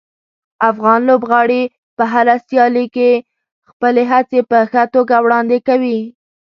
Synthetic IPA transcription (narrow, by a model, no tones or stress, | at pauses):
afɣɑnlobɣɑɽi | pəɦaɾasjɑlike | xpəleɦat͡sepəxət̪oɡawɽɑnd̪ekawi